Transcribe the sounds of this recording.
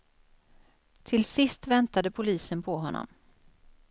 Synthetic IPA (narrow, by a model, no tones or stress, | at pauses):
t̪ʰɪlsɪst̪vɛnt̪ad̪əpʰʊliːsənpʰɔɦɔnːɔ̰m